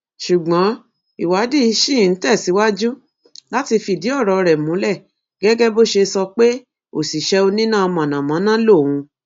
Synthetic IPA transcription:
ʃu˨ɡ͡bã˨˦ | i˨wa˨˦di˦i˧ʃĩ˦˨n̩˨˦tɛ˦˨si˨˦wa˦d͡ʒu˦ | la˦ti˧fi˨di˨˦ɔ˦˨ɾɔ˨ɾɛ˨mũ˨˦lɛ˦˨ | ɡ̥ɛ˦ɡɛ˦bo˦ʃe˧sɔ˧k͡pe˦ | o˨si˨ʃɛ˧o˧nĩ˦nã˦˨ɔ˧mã˨nã˨mã˨˦nã˦lo˦˨wũ˧

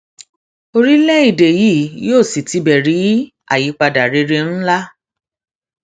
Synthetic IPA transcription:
o˧ɾi˦lɛ˦i˦˨de˨ji˦˨joː˦˨si˨ti˨˧˦bɛ˨ɾi˨˦ | a̰˦˨ji˨˦k͡pa˧da˨ɾe˧ɾe˧n̩˦la˦

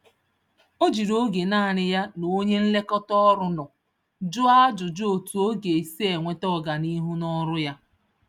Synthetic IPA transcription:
o˦d͡ʒi˨ɾo˦ɡe˨naː˦˨ɾɪ˨ja˦no˨˦ɲe˦n̩˦le˦kɔ˦tɔ˦ɾʊ˦nɔ˨ | d͡ʒʊ˦a˦d͡ʒʊ˨d͡ʒʊ˦o˨tu˨o˦ɡe˨si˦e˨ŋʷe˦tɔ˦˨ɡa˨ni˦ɦʊ˦nɔ˦ɾʊ˦ja˦

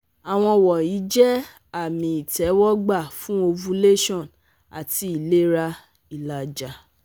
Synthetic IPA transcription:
a˨w̃ɔ̃˧wɔ˨i˨˦d͡ʒɛ˦ | a˦˨mĩ˧i˨tɛ˨˦wɔ˦ɡ͡ba˦˨fũ˦o˧vũ˧˦le˦ʃɔ̃˦˨n | a̰˨ti˨˧i˨le˦ɾa˧ | i˨la˨d͡ʒa˨

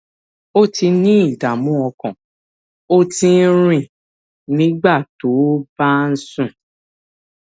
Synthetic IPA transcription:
o˦ti˧nĩ˦i˦˨da˨mũ˦ɔ˧kɔ̃˨ | o˦tĩ˧n̩˦ɾ̃ĩ˦˨ | nĩ˦ɡ͡ba˦˨to˨˦b̥a˦n̩˦sũ˦˨

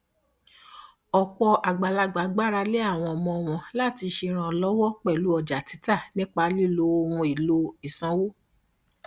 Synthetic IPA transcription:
ɔ˨k͡pɔ˧ʔa˨ɡ͡ba˨la˧ɡ͡ba˨˦ɡ͡ba˦ɾa˧le˦a˦˨w̃ɔ̃˧ɔ˨mɔ̃˧ɔ˧˨w̃ɔ̃˨la˦˨ti˧ʃe˧ɾ̃ã˨lɔ˦wɔ˦k͡pɛ˦˨lu˨˦ɔ˧˨d͡ʒa˨ti˨˦ta˦˨nĩ˦k͡pa˧li˦˨lo˧o˧wũ˧i˨lo˧i˨sã˧˦wo˦

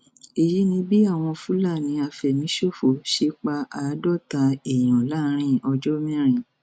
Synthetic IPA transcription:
e˨ji˦nĩ˧bi˦a˦˨w̃ɔ̃˧fũ˦la˦˨nĩ˨˧˦a˧fɛ˨mĩ˨˦ʃo˦˨fo˨ʃe˦k͡pa˧a˨˦dɔ˦˨ta˨˧e˨j̃ɔ̃˨la˦ɾ̃ĩ˦ɔ˧d͡ʒɔ˦mĩ˦ɾ̃ĩ˨

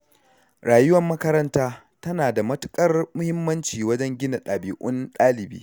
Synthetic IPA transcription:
ɽaː˨jʊ˦wɐ˨mːɐ˦kɐ˦ɾɐ˦ntaː˦ | tɐ˦naː˨da˨mɐ˦tʊ̥˦kʼɐ˦rmʊ˦hɪ˦mːɐ˦nt͡ʃiː˨wɐ˦d͡ʒɛ˦ŋɡʲɪ˦na˨ɗaː˨biː˨ʔʊ˦nɗaː˦lɪ˨bḭː˦

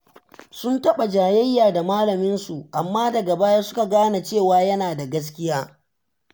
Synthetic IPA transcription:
sʊ˦ntɐ˦ɓa˨d͡ʒaː˨jɐ˦jːaː˨da˨maː˦lɐ˨mɪ˦nsu˨ʔa˨mːaː˦dɐ˨ɡa˨baː˦ja˦sʊ˦ka˨ɡaː˦na˨t͡ʃeː˦˨waː˦jɐ˦naː˨da˨ɡɐ˦s̬kʲɪ˦jaː˦

